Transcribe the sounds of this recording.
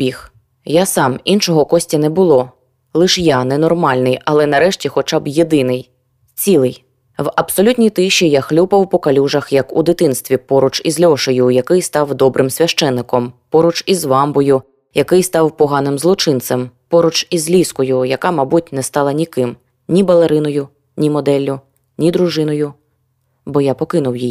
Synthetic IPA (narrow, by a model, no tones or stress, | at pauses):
bʲix | jasɑmint͡ʃɔɦɔkɔsʲtʲɐnɛbʊlˠɔ | lˠɪʃjanɛnɔrmɑlʲnɪjɐlˠɛnɐɾɛʃtʲixɔt͡ʃɑbjed̪ɪnɪj | t͡sʲilˠɪj | wɐbsɔlʲutʲnʲijt̪ɪʃːijaxlʲupɐwpɔkɐlʲuʒɐxjɐkṵd̪ɪt̪ɪnst̪ʋʲipɔɾʊt͡ʃizlʲɔʃɔjʊjɐkɪjst̪ɑwd̪ɔbɾʔɪmsʲʋʲɐʃt͡ʃɛnːɪkɔmpɔɾʊt͡ʃizʋɑmbɔjʊ | jɐkɪjst̪ɑwpɔɦɑnɪmzlˠɔt͡ʃɪnt̪sɛmpɔɾʊt͡ʃizʲlʲiskɔjʊjɐkɑmɐbutʲnɛst̪ɑlˠɐnʲikɪm | nʲibɐlˠeɾɪnɔjʊ | nʲimɔd̪ɛlʲːʊ | nʲid̪ɾʊʒɪnɔjʊ | bɔjapɔkɪnʊwjij